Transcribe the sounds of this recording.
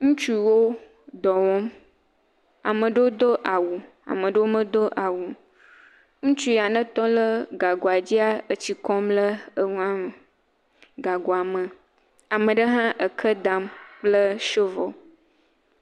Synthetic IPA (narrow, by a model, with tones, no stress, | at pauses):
ŋũ˦t͡ʃu˦wo˦ | d̪ɔ˨wɔ˦m | a̰˨mə̃˨ɖə˦wo˦d̪o˦ʔa˨wu˨ | a̰˨mə̃˨ɖə˦wo˦mə̃˦d̪o˦ʔa˨wu˨ | ŋũ˦t͡ʃu˦˨a˨nə̃˦t̪ɔ˦lə˦ɡa˨ɡo˨a˨d͡ʑi˦a˦ə˨t͡ɕi˨kɔ˦mlə˦ə˦ŋũ˦ã˦mə˨ | ɡa˨ɡo˨a˨mə˨ | a˨mə̃˨ɖə˦ɦã˦ʔə˨kʰə˦d̪a˨mk͡plə˦ʃo˦vɔ̰˨